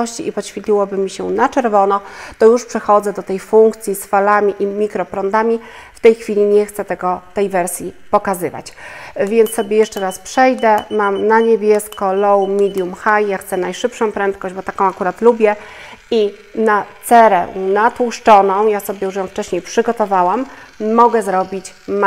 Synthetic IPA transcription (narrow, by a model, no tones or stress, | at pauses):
ɔɕt͡ɕiipɔɕfʲit̪ʲlʲiwɔbɘmʲiɕɛnat͡ʂɛɾvɔnɔt̪ɔjuʂpʂɛxɔd̪zɛd̪ɔt̪ɛjfuŋkt̪sʲjisfalamʲiʔimʲikɾɔpɾɔnd̪amʲi | ft̪ɛjxfʲilʲiɲɛxt̪sɛt̪ɛɡɔt̪ɛjvɛɾsʲjipɔkazɘva̰t͡ɕvʲjɛnt̪sɔbʲjejɛʂt͡ʂɛɾaspʂɛjd̪ɛmamnaɲebʲjɛskɔlɔwmʲid̪ʲjumxajjaxt̪sɛnajʂɘpʂɔ̃w̃pɾɛnt̪̚kɔʑd͡ʑbɔt̪akɔ̃w̃akuɾat̪lubʲjɛi | natt̪sɛɾɛ̰nat̪wuʂt͡ʂɔnɔ̃w̃jasɔbʲjɛjuʂ̬jɔ̃w̃ft͡ʂɛɕɲejpʂɘɡɔt̪ɔvawamːɔɡɛzɾɔbʲit͡ɕm